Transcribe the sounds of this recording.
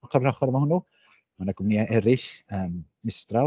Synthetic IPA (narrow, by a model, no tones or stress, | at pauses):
qʰɔrraχɔɾmahʊnu | manaɡʊmniaʔɛɾɪɬəːmː | ɪstra